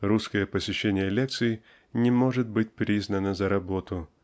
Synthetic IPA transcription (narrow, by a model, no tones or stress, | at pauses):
ruskəjəpəsʲɪɕːenʲɪjəlʲek̚t̪sɨɪ | nʲɪmo̞ʐɨt̪̚bɨt̚ʲpɾʲiznənəzəɾɐbo̞t̪ʊ